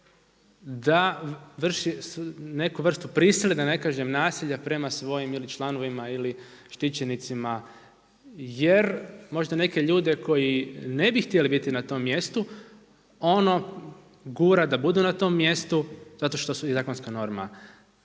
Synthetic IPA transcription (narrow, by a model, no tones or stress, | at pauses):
d̪aʋr̩ʃisne̞kuʋr̩st̪upɾisilˠed̪ane̞kaːʒe̞mnaːsiʎapɾe̞masʋo̞jimilit͡ʃlˠano̞ʋimaili | ʃt̪it͡ɕe̞nit̪sima | jeɾmo̞ʒd̪ane̞ke̞ʎuːd̪e̞ko̞jine̞bixt̪ielibit̪inat̪o̞ːmːje̞st̪u | o̞no̞ | ɡuːɾad̪abud̪unat̪o̞mːje̞st̪uzat̪o̞ʃt̪osuizaːkonskano̞ɾma̰